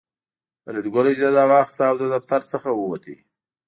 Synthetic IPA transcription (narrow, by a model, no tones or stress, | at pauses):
ɾɪd̪ɡʊled͡ʒd̪ad̪ɑwɑxɪst̪aːwd̪əd̪aft̪aɾt͡səxawəwat̪ʰḭ